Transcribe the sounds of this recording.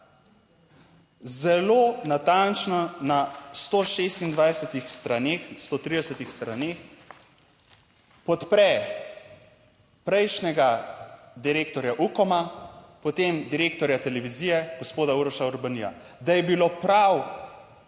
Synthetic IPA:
zɛlonat̪ant͡ʃnɔnast̪oʃest̪ind̪ʋajsɛt̪ixst̪ɾaneːxst̪oːt̪ɾiːd̪ɛsət̪ixst̪ɾaneːx | pɔt̪pɾɛ | pɾɛjʃnɛɡad̪iɾeːkt̪ɔɾjaʔukɔmapɔt̪emd̪iɾeːkt̪ɔɾjat̪ɛlɛʋiziːjɛɡ̥ospoːd̪auɾɔʃauɾbanija̰d̪ajɛbilopɾaw

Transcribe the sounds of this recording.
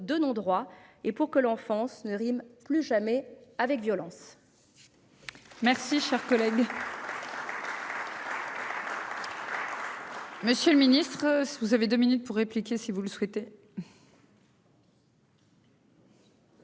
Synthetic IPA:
d̪ønɔ̃d̪ʁwaepuʁkəlɑ̃fɑ̃snəʁimplyʒamɛavɛkvjɔlɑ̃s | mɛʁsiʃɛʁkɔlɛɡ | məsjøləminist̪χvuzaved̪øminyt̪̚puʁːeplikʲesivuləswɛt̪e

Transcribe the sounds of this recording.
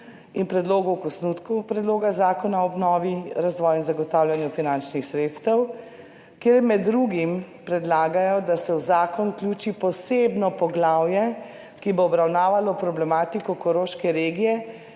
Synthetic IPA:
inpɾɛd̪loːɡukɔsnut̪kupɾɛd̪loːɡazaːkɔnaɔbnɔːʋiɾazʋɔːjinzaɡɔt̪aːwlʲjanjufinant͡ʃnixsɾeːt̪st̪əw | keːɾmɛd̪ːɾuɡim | pɾɛd̪laːɡajɔd̪asɛwzaːkɔnuklʲuːt͡ʃipɔsebnɔpɔɡlaːwjɛ | kiboːbɾawnaːʋalɔpɾɔblɛmaːt̪ikɔkɔɾoʃkɛɾeːɡijɛ

